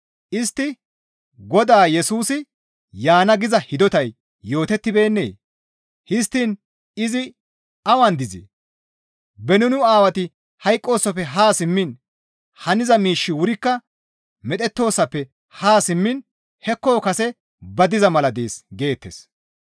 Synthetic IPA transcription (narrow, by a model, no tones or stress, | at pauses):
ʔɪst̪ːɪ | ɡɔd̪aːjɛsuːsɪ | jaːnɐɡɪzɐhɪd̪ɔt̪ɐjː | o̞ːt̪ɛt̪ːɪbe̞ːnːe̞̰ː | hɪst̪ːin | ɪzɪ | ɐwɐnd̪ɪzḭ | bɛnʊnʊaːwɐt̪ɪ | hɐjkʼːo̞ːsːɐpːɛɦaːsɪmːɪn | hɐnɪzɐmiːʃːɪwʊɾɪkːɐ | mɛt̪ʼɛt̪ːo̞ːsːɐpːɛ | haːsɪmːɪn | hɛkːo̞ːkɐsɛ | bɐd̪ɪzɐmɐlɐd̪eːsɡe̞ːt̪ːḛs